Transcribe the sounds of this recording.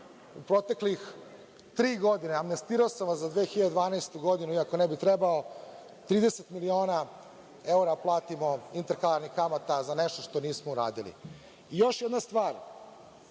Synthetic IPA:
upɾo̞t̪e̞klix | t̪ɾiːɡod̪ineamnest̪iːɾaosamʋaszad̪ʋexiʎad̪ed̪ʋaːnajst̪uɡo̞d̪inuiako̞nɛbit̪ɾebao | t̪ɾiːd̪e̞set̪milio̞ːna | euɾaplˠaːt̪imo̞int̪eɾkalaɾnixkamat̪azaneʃt̪o̞̥ʃt̪o̞niːsmouɾa̰ːd̪ilḭ | ijo̞ʃjed̪nast̪ʋaːɾ

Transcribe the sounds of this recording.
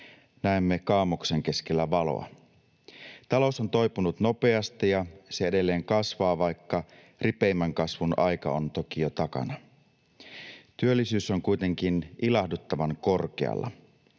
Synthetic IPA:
næemːekɑːmukse̞ŋk̟e̞skelːæʋɑlo̰ɑ̰ | t̪ɑlo̞so̞nt̪o̞jpunut̪no̞pe̞ɑst̪ijɑseede̞lːe̞ːŋkɑsʋɑːʋɑjkːɑ | ripe̞imːæŋkɑsʋunʔɑjkɑ̰ont̪o̞kijot̪ɑkɑ̰nɑ | t̪yølːisyːso̞ŋkujt̪e̞ŋk̟inʔilɑhdut̪ːɑʋɑŋko̞rk̟ḛɑ̰lːɑ̰

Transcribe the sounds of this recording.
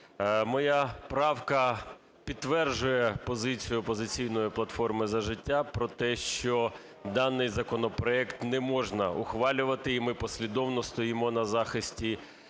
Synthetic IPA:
mɔjɑpɾɑwkɐ | pʲid̪t̪ːʋɛrʒʊjɛpɔzɪt͡sʲijʊpɔzɪt͡sʲijnɔjiplˠɐt̪fɔrmɪzɐʒɪtʲːapɾɔt̪ɛʃt͡ʃɔ | d̪ɑnːɪjzɐkɔnɔpɾɔɛkt̪nɛmɔʒnɐʔʊxʋɑlʲʊʋɐt̪ɪːmɪpɔsʲlʲid̪ɔwnɔst̪ɔjimɔnɐzɑxɪsʲtʲi

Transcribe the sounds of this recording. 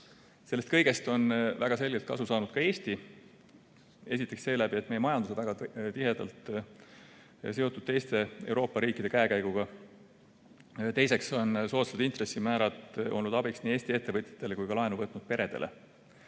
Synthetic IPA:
selːest̪kɤjɡ̥e̞st̪o̞nvæɡ̥ɑse̞lʲɡelt̪̚kɑ̰susɑːnud̪̥kɑe̞ːst̪i | e̞s̬ʲit̪ːˑe̞ksse̞ːlæb̥iet̪me̞jemɑjɑnd̪usevæɡɑt̪ihe̞d̪̥ɑ̰lt̪ˑ | s̬e̞o̞t̪ːˑud̪̥̚t̪e̞jst̪e̞e̞̰wɾo̞ːpːɑɾiːkːˑid̪̥e̞kæekæjɡ̥uɡ̥ɑ | t̪e̞jse̞kso̞nso̞ːt̪sevt̪int̪re̞sːimæːɾɑt̪ˑʔolnːud̪ɑbiksniːe̞ːsʲt̪ie̞t̪ːe̞vɤt̪ʲjɑ̥t̪ːˑe̞le̞kujkɑlɑenuvɤt̪nud̪̥̚pe̞ɾe̞d̪̥e̞̰lʔḛ

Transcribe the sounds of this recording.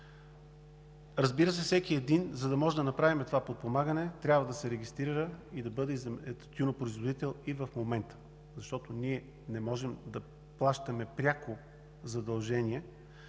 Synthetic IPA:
ɾɐzbiɾəsɛfsɛkiɛd̪inzɐd̪ɐmɔʒɛd̪ɐnɐpɾavimɛt̪ovapot̪̚pomaɡənɛt̪ɾʲabvəd̪ɐsɛɾɛɡʲist̪ɾiɾəid̪ɐbɤd̪ɛzɛt̪ʲunopɾoizvod̪it̪ɛlˠivɐfmomɛnt̪ə̥ | zɐʃt̪ɔt̪oniɛ | nɛmɔʒɛmd̪ɐ | plˠaʃt̪ɐmɛpɾʲako | zɐd̪ɐlˠʒɛniɛ

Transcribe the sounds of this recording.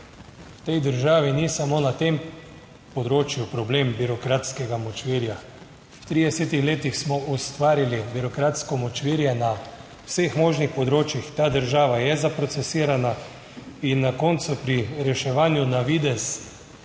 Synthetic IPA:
wt̪ɛjd̪əɾʒaːʋinisamoːnat̪em | pɔd̪ɾoːt͡ʃjupɾɔblembiɾɔkɾaːt̪skɛɡamɔt͡ʃʋiːɾja | wt̪ɾiːd̪ɛsɛːt̪ixleːt̪ixsmɔʔust̪ʋaːɾilibiɾɔkɾaːt̪skɔmɔt͡ʃʋiɾjɛna | wsexmoːʒnixpɔd̪ɾoːt͡ʃjixt̪aːd̪əɾʒaːʋajɛzapɾɔt̪sɛsiːɾana | inːakɔːnt̪supɾiɾɛʃɛʋaːnjunaʋid̪ɛs

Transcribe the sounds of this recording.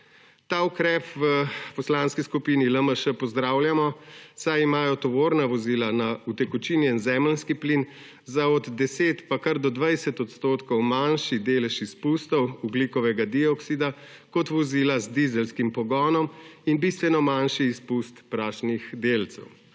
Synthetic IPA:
t̪aːukɾɛːpʋəpɔslanskiskupiniləməʃəpɔzd̪ɾaːwljamɔsajimaːjɔt̪ɔʋoːɾnaʋɔziːlanaut̪ɛkɔt͡ʃiniɛnzɛːmlnskiplin | zaɔd̪d̪ɛseːt̪pakaɾd̪ɔd̪ʋajsɛt̪ɔt̪st̪oːt̪kɔwmanʃid̪eːlɛʃispust̪ɔwublikɔʋɛɡad̪iɔksid̪a | kɔt̪ʋɔzilazd̪izɛlskimpɔɡɔnɔminbist̪ʋɛnɔmanʃiːspust̪pɾaːʃnixd̪eːlt̪sɛ̰w

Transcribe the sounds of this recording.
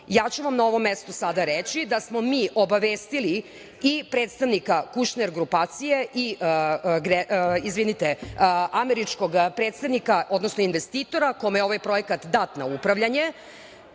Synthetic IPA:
jaːt͡ɕuʋamnao̞ʋo̞mːest̪osad̪aɾet͡ɕid̪asmo̞miːʔo̞baʋeːst̪ili | ipɾeːt̪st̪aʋnikakuʃneɾɡɾupaːt̪sije̞ʔi | ɡɾeizʋinit̪eameɾit͡ʃkoɡpɾet̪st̪aʋnikaʔo̞d̪nosnoinʋe̞st̪iːt̪o̞ɾakomejeo̞ʋajpɾo̞jekat̪d̪at̪naupɾaʋʎaɲe̞

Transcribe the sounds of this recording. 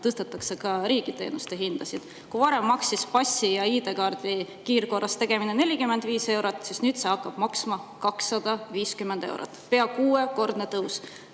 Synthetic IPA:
t̪ɤst̪ɑt̪ːˑɑksekɑɾiːɡ̥it̪e̞̰ːnust̪e̞ɦind̪̥ɑsid̪̥ | kuvɑɾe̞mːɑksispɑsʲːijɑiːd̪e̞kɑːrd̪̥i | kiːrko̞rːɑst̪e̞ɡ̥e̞mine̞ne̞lʲikymːend̪viːse̞wɾot̪ˑːsisnyːd̪̥seɑkːɑb̥mɑksmɑkɑksːɑd̪̥ɑviːskymːend̪̥e̞̰w̰ɾɑ̰t̪ːˑpe̞ɑkuːeko̞rd̪̥net̪ɤws

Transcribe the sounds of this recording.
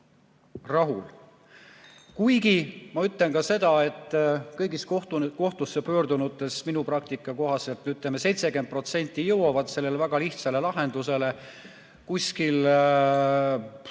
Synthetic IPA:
rɑɦul | kujɡimɑyt̪le̞nkɑse̞d̪̥ɑe̞t̪ːˑkɤjɡiskot̪ko̞ht̪usːepø̞ːɾd̪unut̪ˑːe̞sminuprɑk̚t̪ikːˑɑko̞ɦɑse̞lt̪yt̪lemese̞jt̪se̞ke̞nd̪̚pro̞t̪se̞nʲt̪ˑːijɤwɑvɑd̪se̞lːelevæɡ̥ɑliht̪sɑle̞lɑɦe̞nd̪̥use̞le̞ | kusʲkil

